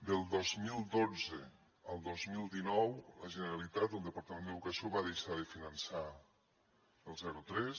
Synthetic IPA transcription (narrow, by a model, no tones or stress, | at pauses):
d̪əlˠd̪ozmilˠd̪od͡zə | əlˠd̪ozmilˠd̪inɔwləʒənəɾalit̪at̪unˠd̪əpaɾt̪əmẽnd̪əðukəsioβaðejʃaðəfinənsa | əlˠzɛɾut̪ɾɛs